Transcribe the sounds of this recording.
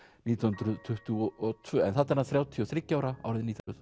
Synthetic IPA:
niːt̪ʰinʏnt̪ɾʏðt̪ʰʏht̪ʏɔʔɔt̪ʰvʏːɛ̰nθat̪ɛɾaðθɾjaːwt̪ʰiɔθɾɪcːaːwɾaa̰wɾɪðniːt̪ʰɾʏð

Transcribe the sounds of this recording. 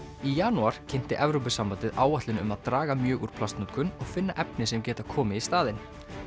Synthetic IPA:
ijaːnuaɾ̥cʰɪjn̥t̪ɪʔɛvɾowp̬ɪsampant̪ɪðʔaːwaht̪lɪnʏ̰maðt̪ɾaːɣamjœːɣuɾ̥pʰlast̪nut̪kʰʏnɔɣfɪnːaʔɛpnɪsɛmcɛːt̪akʰɔːmɪist̪aːðɪn

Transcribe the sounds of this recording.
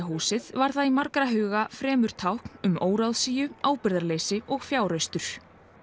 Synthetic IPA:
ɦuːsɪðvaɾ̥θaðimaɾkɾaɦʏːɣafɾɛːmʏɾ̥t̪ʰawhkn̥ʏmoːwɾawðsiːjʏaːwpɪɾðaɾleːjsɪʔɔɣfjaːwɾœɥst̪ʏɾ̥

